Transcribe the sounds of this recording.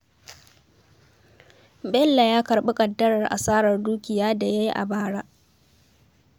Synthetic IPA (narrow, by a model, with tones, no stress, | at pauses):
bɛ˦lːa˨jaː˦kɐ˨rɓɪ˦kʼɐ˨dːɐ˦ɽɐ˨rʔa̰˨saː˦ɽɐ˨rduː˦kʲɪ˨jaː˦da˨ja˦ji˦ʔa̰˨baː˦ɽaː˦ʔ